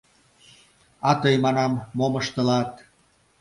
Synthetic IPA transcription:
ɑt̪ɤjmɑnɑmːoməʃt̪ə̆lɑt̪

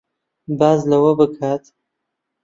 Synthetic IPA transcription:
baːzlɐwɐbɨkʰaːt̪

